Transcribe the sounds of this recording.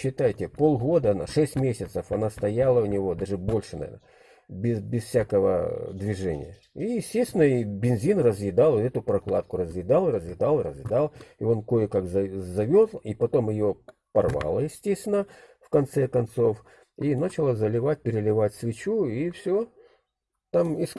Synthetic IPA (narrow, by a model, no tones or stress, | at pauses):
ɕːɪt̪ajɪtʲɪpo̞lˠɣo̞d̪ənɐ̰ʂɛsʲtʲmʲesʲɪt̪səfɐnast̪ɐjalˠəʊnʲɪvo̞d̪aʐɨbo̞lʲʂɨnɐ̰vʲḛnə | əbʲɪzbʲɪsfsʲakəvə̰d̪vʲɪʐɛnʲɪ̰jə | ijɪsʲtʲesʲt̪ʲɪnəibʲɪnzʲinrəzjɪd̪ɑlˠɛt̪ʊpɾɐklˠa̰t̪̚kʊɾəzjɪd̪alˠɨɾəzjɪd̪ɑlˠɨɾəzjɪd̪ɑlˠɪo̞nko̞jɪkakzɐzɐvʲozˠipɐt̪o̞mjɪjo | pɐrva̰lˠəjɪsʲtʲesʲt̪ʲvʲɪnəfkɐnt̪sɛkɐnt̪so̞f | inat͡ɕɪlˠəzəlʲɪvat̚ʲpʲɪɾʲɪlʲɪvatʲsvʲɪt͡ɕuifsʲo | t̪amɪs